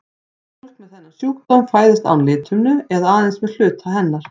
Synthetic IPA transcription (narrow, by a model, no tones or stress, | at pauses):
ffɔl̥k̪mɛðθɛnːḁsjuːkt̪ɔnfaːjðɪst̪a̰wnlɪːt̪ʰʏmnʏɛðaaːðɛnsmɛðl̥ʏːt̪ʰaɦɛnːaɾ̥